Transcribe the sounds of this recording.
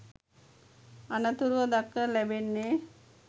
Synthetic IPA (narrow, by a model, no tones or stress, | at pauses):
anət̪uɾuʋəd̪akːəlæbenːe